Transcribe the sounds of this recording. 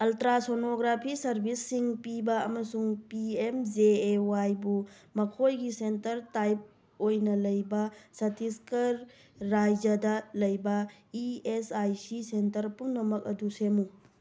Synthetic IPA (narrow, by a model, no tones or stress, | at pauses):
ɐltɾasonoɡɾapʰisɐɾbʱisːiŋpibɐɐmɐsuŋpiemd͡ʒeewajbu | mɐkʰojɡisentɐɾtajp̚ | ojnɐlɐjbɐsɐtiskɐɾː | ajd͡ʒɐdɐlɐjbɐ | iesajsisentɐɾpumnɐmɐk̚ɐ̰dusemu